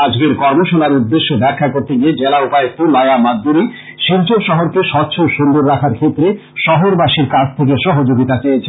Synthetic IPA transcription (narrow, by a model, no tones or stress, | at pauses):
ad͡ʑɡeɾkɔɾmoʃolaɾud̪ːeʃːobɛɾkʰːakoɾt̪eɡied͡ʑelaupaet̪ulajamad̪ːuɾi | ʃiɾt͡ɕoʃɔɦoɾkeʃɔtːɕʰoʃund̪oɾːakʰaɾkʰet̪ːɾe | ʃɔɦoɾbaʃiɾkat͡ɕʰt̪ʰek̬eʃɔɦod͡ʑoɡit̪at͡ɕejet͡ɕʰe